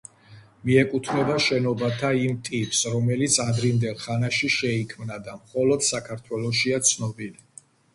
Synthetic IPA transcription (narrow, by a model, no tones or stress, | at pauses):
miɛkʼut̪ʰnɛbaʃɛnɔbat̪ʰaimt̪ʼipʼsɾɔmɛlit̪sʰad̪ɾimd̪ɛlˠχanaʃiʃɛikʰmnad̪amχɔlɔd̪̥sakʰaɾt̪ʰwɛlˠɔʃiat̪sʰnɔbili